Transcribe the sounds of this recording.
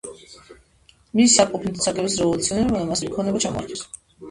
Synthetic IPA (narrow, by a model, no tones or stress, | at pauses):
misːaqʼɔpʰint̪ɔt̪sʰakʼɛbisɾɛvɔlut̪sʰiɔnɛbibɔnamasmikʰɔnɛbat͡ʃʰamɔ̰a̰ɾt̪ʰɛs